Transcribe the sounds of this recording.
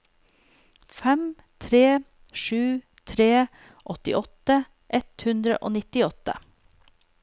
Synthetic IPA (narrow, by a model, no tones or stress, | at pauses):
fɛm | t̪ʰɾeː | ʃʉː | t̪ʰɾeː | ʔɔt̪ɪʔɔt̪ə | ʔɛt̪hʉnd̪ɾə̰ʔo̰ːnɪt̪ɪɔt̪ə̰